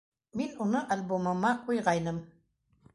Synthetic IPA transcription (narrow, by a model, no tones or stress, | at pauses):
minʊnaʔalbomamakʊjɢɑjnam